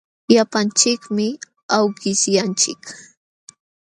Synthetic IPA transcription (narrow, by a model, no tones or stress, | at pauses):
japant͡ʃɪkmɪ | awɢɪsjant͡ʃɪk